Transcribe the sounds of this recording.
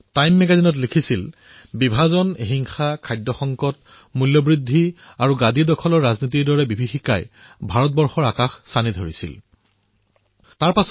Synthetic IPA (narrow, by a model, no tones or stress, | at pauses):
tajmːɛɡazinɔt̬likʰisil | bibʱazɔnɦiŋxakʰajdɔxɔŋkɔt̚ | muljɔbɹidʱːiaɹuɡadʱidɔkʰɔlɔɹːaznitiɹdɔɹɛbibʱixika̰j | bʱaɹɔt̚bɔɹxɔɹakaxsanidʱoɹisḭl | taɹpas